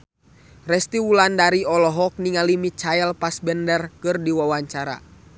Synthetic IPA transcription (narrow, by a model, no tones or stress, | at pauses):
rɛst̪iwulandaɾiɔlɔɦɔk̚niŋalimit͡ʃajɛlpasbɛndərkɨrdiwawaɲt͡ʃaɾa̰